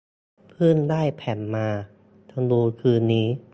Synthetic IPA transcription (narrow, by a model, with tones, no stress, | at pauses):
pʰɯ˥˩ndaː˥˩jpʰɛ˨˩˦mmaː˧ | t̪ʰa˧ŋluː˧kʰɯː˧nːiː˦˥